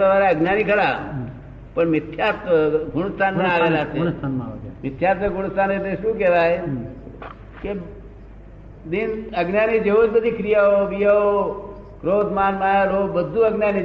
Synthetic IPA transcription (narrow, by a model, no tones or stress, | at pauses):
əʋaːɾeɐɡnjaːnikʰəɽa | pəɳmɪt̪ʰːjaːt̪ɡʱʊɽəst̪ʰanẽaːɡeːlaset̪ʰanmɪt̪ʰːjaːt̪ʋeɡʱʊɽ̃st̪ʰaːnet̪eʃũːkɛːʋaːe | ke | d̪ɪnɐɡnjaːnid͡ʒeʋod͡ʒbəd̪ʱikʰɾijaɦoʋijao | kɾoːt̪maːnmaːjaɾoːbəd̪ʱːuəɡnjaːni